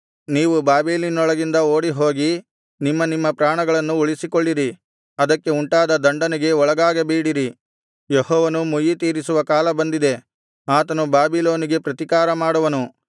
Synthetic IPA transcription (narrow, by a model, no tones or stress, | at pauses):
niːʋubaːbiːlinɔɭɐɡind̪ɐoːɽiɦo̞ːɡi | nimːɐnimːɐpɾaːɳɐɡɐɭɐnːuuɭisikoɭːiɾi | ɐd̪ɐkːe̞uɳʈaːd̪ɐd̪ɐɳɖɐneɡe̞ɔɭɐɡaːɡebiːɽiɾi | jeɦɔːʋɐnumujit̪iːɾisuʋɐkaːlɐbɐnd̪id̪e̞ | aːt̪ɐnubaːbiloːniɡe̞pɾɐt̪ikaːɾɐmaːɽɐʋɐnu